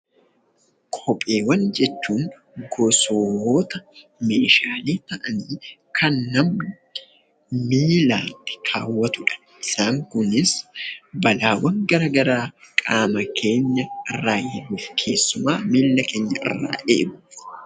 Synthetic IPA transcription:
kʼɔpʼe̞ːwɐnd͡ʒɛt͡ʃːuːŋ | ɡɔsoːhoːt̪ɐme̞ːʃaːle̞ːt̪ɐʔɐniːkʰɐnːɐm | miːlaːnt̪ɪ̥kʰaːwːɐt̪ʊᶑɐ̥ | ʔɪsaːŋkʊnɪsbɐlaːwɐŋɡɐɾɐɡɐɾaːkʼaːmɐkʰe̞ːɲːɐʔɪrːaːhɛᶑuːfkʰe̞ːsːʊmaːmiːlːɐkʰeːɲːɐʔɪ̰rːa̰ːʔḛːdʊ

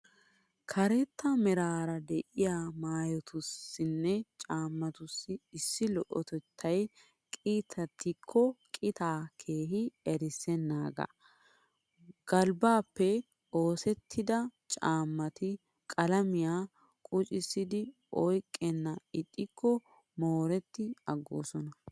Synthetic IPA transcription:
kʰɐɾɛt̪ːɐmɛɾaːɾɐd̪ɛʔɪjaːmaːjɔt̪ʊsːɪnːɛt͡ʃʼaːmːɐt̪ʊsːɪɪsːɪlɔʔɔt̪ɛt̪ʰːɐj | kʼiːt̪ʰːɐt̪ːɪkʰːɔkʼɪt̪aːkʰeːɦɪɛɾɪsɛnːaːɡɐ̰ | ɡ̥ɐlbaːpːɛ | o̞ːsɛt̪ʰːɪd̪ɐt͡ʃʼaːmːɐt̪ɪ | kʼɐlɐmɪjaː | kʼʊt͡ʃʼɪsːɪd̪ɪ | ʔɔjkʼːɛnːɐɪt̪ʼːɪkʰːɔ | moːɾɛt̪ːɪɐɡːo̰ːsɔnɐ

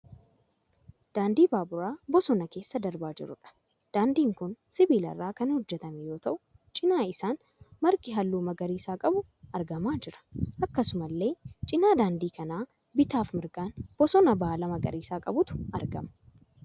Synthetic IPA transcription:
d̪̥aːnd̪iːbaːbʊɾaːbɔsɔnɐke̞ːsːɐd̪ɐɾbaːd͡ʒɪ̰ɾʊ̰ᶑɐ̥ | d̪̥aːnd̪iːŋkʊnsɪbiːlɐ̰rːaːkɐnhɔd͡ʒːɛt̪ɐmɛjo̞ːt̪ɐʔʊ | t͡ʃʼɪnaːɪsaːn | mɐɾkɪɦɐlːuːmɐɡɐɾiːsaːkʼɐbʊ | ʔɐɾɡɐmaːd͡ʒɪɾɐ̥ʔɐkːɐsʊmɐlːe̞ːt͡ʃʼɪnaːd̪aːnd̪iːkɐnaː | bɪt̪aːfmɪɾɡaːnb̥ɔsɔnɐbaːlɐmɐɡɐ̰ɾiːsaːkʼɐbʊt̪ʊ̥ʔɐɾɡɐ̰mɐ

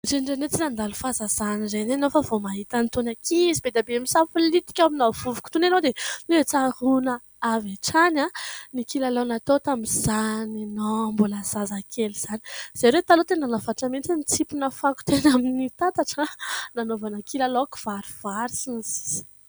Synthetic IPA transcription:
ɾeɳɖ͡ʐenet͡sinand̪alufazaz̥anizenenofəvomaɦit̪ənt̪onakizibed̪abeemisafulit̪i̥kʲawaminavuvu̥ku̥t̪unanod̪eneet͡saɾuna | avaʈ͡ʂananikilalonat̪ot̪amiz̥aninombulazazakʰeliz̥ani̥z̥eɾet̪alot̪enanafaʈ͡ʂəmint͡sinit͡sipunəfaku̥t̪enaminit̪at̪aʈ͡ʂənanovanakʰilaloku̥v̥aɾiv̥aɾisinisi̥zi̥

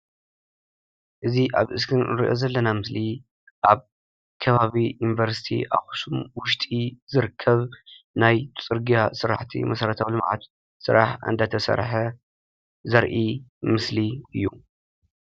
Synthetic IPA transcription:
ʔɨziʔaβʔɨskʰɨnɨɾḭʔo̞̰zɐlːɐnamɨsli | ʔaβ | kʰɐβaβiinvɐɾsi̥t̪ʰḭʔa̰xu̥sumwʊʃt̪ʼizɨɾɨkʰːɐβ | najt̪ʰɨt͡sʼɨɾɡijasɨɾa̰ħt̪ʰḭmɐsɐɾɐt̪ʰawlɨmʕa̰t̪ | sɨɾaħɨ̰nd̪at̪ʰɐsɐ̰ɾħɐ | zɐɾʔimɨsliɨjːu

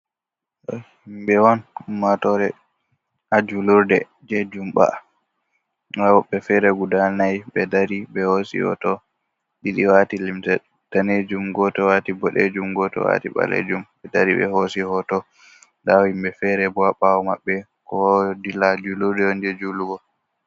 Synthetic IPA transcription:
ɗɔhimbɛwɔnmatɔɾɛ | ad͡ʒuluɾdɛ | d͡ʒed͡ʒumɓa̰ | wawɔɓːɛfɛɾɛɡudalnajɓɛdaɾibɛhosḭhɔ̰tɔ | ɗiɗiwatilimtɛ | taned͡ʒumɡɔtɔwatibɔɗed͡ʒumɡɔtɔ̰wa̰tiɓa̰lḛd͡ʒumɓɛdaɾiɓɛ̰hosihɔtɔ | dawhimbɛfɛɾɛbɔwaɓawɔmaɓːɛ | kɔdilad͡ʒuluɾdɛɔnd͡ʒed͡ʒuluɡɔ

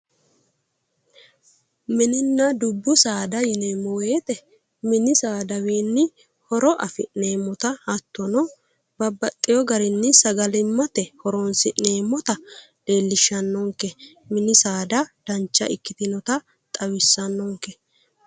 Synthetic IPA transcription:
mɪnɪnːɐd̪ʊbːʊsaːd̪ɐjɪneːmːɔweːt̪ʼɛ | mɪnɪsaːd̪ɐwiːnːɪ | hɔɾɔʔɐfɪ̰ne̞ːmːɔt̪ɐhɐt̪ːɔnɔ | bɐbːɐt̪ʼːɪjɔɡɐɾɪnːɪsɐɡɐlɪmːɐt̪ɛhɔɾɔnsɪne̞ːmːɔt̪ɐ | d̪̥e̞ːlːɪʃːɐnːɔŋkɛ | mɪnɪsaːd̪ɐd̪̥ɐnt͡ʃːɐ̰ʔɪkːɪt̪ɪnɔt̪ɐ | t̪ʼɐwɪsːɐnːɔŋkɛ

